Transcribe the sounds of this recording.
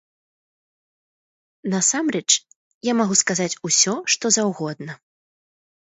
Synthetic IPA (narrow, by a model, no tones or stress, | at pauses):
nɐsamɾɛt͡ʂ | jamaɣuskazat͡sʲusʲɔʂt̪ɔzawɣɔd̪̚nɐ